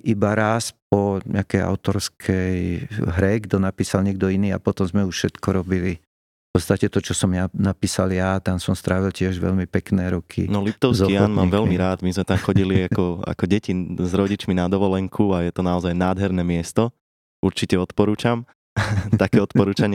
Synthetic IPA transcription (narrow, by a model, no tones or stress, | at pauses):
ʔibaɾasp̚ɔɲɪ̰akɛja̰ʊt̪ɔɾskʰɛjɦɾɛɡd̪ɔnapiːsalɲɛɡ̚d̪ɔiniːa̰pɔt̪ɔmzmɛuʃfʃɛt̪kɔɾɔbili | pɔt̪st̪acɛt̪ɔt͡ʃɔsɔmjanapiːsaljat̪ansɔmst̪ɾaːʋilcɪɛʒʋɛ̰ʎmipɛknɛːɾɔkʰḭnɔlipt̪ɔʊszkiaːnmaːmʋɛlmiɾaːd̪mizmɛt̪amxɔɟiliakɔa̰kɔɟɛcizɾɔɟit͡ʃminad̪ɔʋɔlɛŋkʰuajɛt̪ɔnaɔzajnaːd̪ɦɛɾnɛmɪɛst̪ɔ | uɾt͡ʃicɛɔt̪pɔɾuːt͡ʃam | t̪akɛːɔt̪pɔɾuːt͡ʃaɲɪɛ